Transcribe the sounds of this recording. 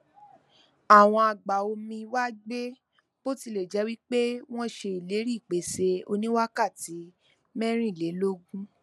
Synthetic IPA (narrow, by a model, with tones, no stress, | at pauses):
a˦˨w̃ɔ̃˧a˨ɡ͡ba˨o˧mĩ˧wa˦ɡ͡be˦ | b̥o˦ti˧le˨d͡ʒɛ˨˦wi˦k͡pe˦w̃ɔ̃˦ʃe˧i˨le˨˦ɾi˦˨k͡pe˨˦se˧o̰˧nĩ˦wa˦ka˦˨ti˨˦ | mɛ̃˦ɾ̃ĩ˦i˦˨le˨˦lo˦ɡũ˦